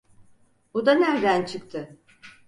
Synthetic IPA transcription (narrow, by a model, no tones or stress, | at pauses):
bud̪anæɾd̪ænt͡ʃʰɯk̚t̪ʰɯ